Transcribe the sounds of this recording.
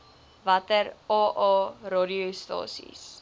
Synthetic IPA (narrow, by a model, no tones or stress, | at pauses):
vɐtərɑːʔɑːrɑːdiostɑ̰ːsḭs